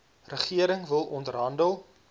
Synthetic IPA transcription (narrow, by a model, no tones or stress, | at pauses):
rəχiəɾəŋvəlˠɔntrɦɐndəlˠ